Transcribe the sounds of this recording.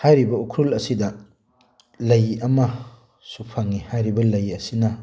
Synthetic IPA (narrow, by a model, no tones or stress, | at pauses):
hajɾibɐukʰɾulɐsidɐ | lɐjɐmɐ | supʰaŋːihajɾibɐlɐjɐsinɐ